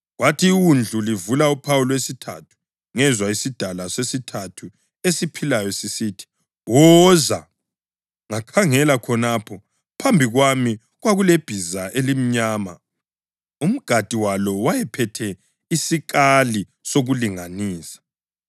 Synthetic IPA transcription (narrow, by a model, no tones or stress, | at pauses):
watʰiːwund͡ɮʱulivulaupʰawulwesitʰa̰tʰu̥ | ŋɛzwaisid̥ʱalasesitʰatʰu | esipʰilajɔsisiːtʰi̥ | wɔza | ŋakʰaŋɛlakʰɔnaːpʰɔ | pʰambʱiɣwami | ɣwaɣuleb̥ʱizaʔelim̩ɲaːma̰ | um̩ɡ̥ʱatʼiwalɔwajɛpʰɛtʰɛ | isik̬ʼali | soɣuliŋaniːsḁ